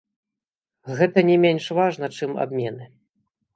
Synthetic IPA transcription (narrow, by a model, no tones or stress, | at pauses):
ɣɛt̪ɐnʲɛmʲenʲʂvaʐnɐt͡ʂɨma̰bmʲɛnɨ